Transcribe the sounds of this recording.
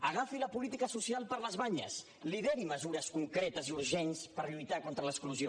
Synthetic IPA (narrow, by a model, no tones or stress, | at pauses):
əɣ̞afiləpulit̪ikəsusialˠpəɾləzβaɲə̰s | liðɛɾiməzuɾəskuŋkɾet̪əziuɾʒɛnspəɾʎujt̪akont̪ɾələskluzio